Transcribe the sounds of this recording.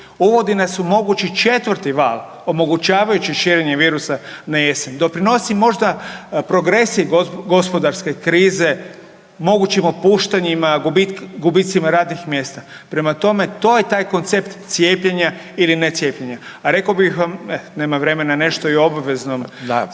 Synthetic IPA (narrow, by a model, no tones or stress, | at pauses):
uʋo̞d̪inasumo̞ɡut͡ɕit͡ʃe̞t̪ʋəɾt̪iʋa̰ːlˠ | o̞mo̞ɡut͡ʃaːʋajut͡ɕiʃiːɾeɲe̞ʋiːɾusanaje̞semd̪o̞pɾino̞simo̞ʒd̪apɾo̞ɡɾe̞siɡo̞spo̞d̪aɾske̞kɾiːze̞ | mo̞ɡut͡ɕimopuːʃt̪aɲimaɡbiɡubit̪simaɾaːd̪nixmje̞ːst̪a | pɾe̞mat̪o̞me̞t̪o̞jet̪aːjko̞nt̪se̞pt̪t̪sje̞ːpʎeɲa | ilinet̪sʲje̞ːpʎeɲaaɾe̞kaobixʋamene̞ːmaʋɾe̞me̞nane̞ʃt̪o̞io̞baʋe̞zno̞m